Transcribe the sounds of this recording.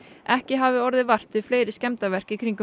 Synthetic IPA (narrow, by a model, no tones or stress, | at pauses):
ʔɛhcɪɦaːvɪɔɾðɪvar̥t̪ʏfleːjɾɪscɛmt̪avɛr̥kikʰɾiŋkʏ